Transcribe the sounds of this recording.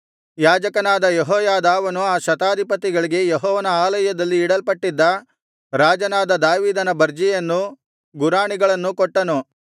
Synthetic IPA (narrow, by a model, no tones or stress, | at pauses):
jaːd͡ʒɐkɐnaːd̪ɐjeɦɔːjaːd̪aːʋɐnuaːʃɐt̪aːd̪ʱipɐt̪iɡɐɭiɡe̞jeɦɔːʋɐnɐaːlɐjɐd̪ɐlːiːɽɐlpɐʈːid̪ːɐ | ɾaːd͡ʒɐnaːd̪ɐd̪aːʋiːd̪ɐnɐbɐɾd͡ʒijɐnːu | ɡuɾaːɳiɡɐɭɐnːukɔʈːɐnu